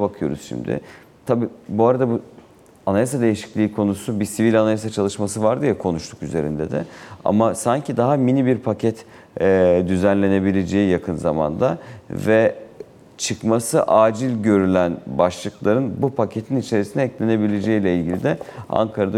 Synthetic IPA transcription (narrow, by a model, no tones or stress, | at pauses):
bakʰɯjo̞ɾṵzʃḭmd̪ɪ̰ | t̪ʰabiːbuaɾad̪abu | anajasad̪e̞jiʃi̥clʲiːkʰo̞nusubisivilʲanajas̬at͡ʃʰalˠɯʃmasɯvaɾd̪ɯjakʰo̞nuʃt̪ʰu̥kyze̞ɾḭnd̪ɛd̪ɪ̰a̰masaɲcʰid̪aɦaminibiɾpʰacʰɛt̪ | d̪yzænlʲe̞ne̞bilʲe̞d͡ʒe̞jijakʰɯnza̰ma̰nd̪avɛ | t͡ʃʰɯkmasɯʔaːd͡ʒilʲɟø̞ɾylʲænbaʃlˠɯklˠaɾɯnbupʰacʰe̞t̪ʰinit͡ʃʰe̞ɾisinɛclʲe̞ne̞bilʲed͡ʒe̞jilʲɛilʲɟilʲid̪ɛa̰ŋkʰaɾad̪